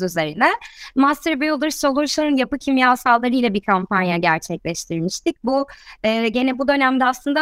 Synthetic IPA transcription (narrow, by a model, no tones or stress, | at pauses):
yze̞ɾinɛmast̪ɾbejolˠaɾɯsolˠuɾʃˠaɾɯnjapɯcʰimjaːsalˠːaɾɯjlʲˠabiɾkʰampanjaɟæɾt͡ʃʰɛclʲɛʃt̪ʰiɾmiʃt̪ʰic̚buɛːɟe̞nɛbud̪ø̞næmd̪ɛaslˠɯnd̪a